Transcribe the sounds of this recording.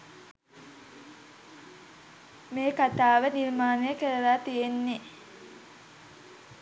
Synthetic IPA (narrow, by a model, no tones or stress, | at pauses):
meːkat̪aːʋəniɾmaːnəjəkəɾəlaːt̪ijenːe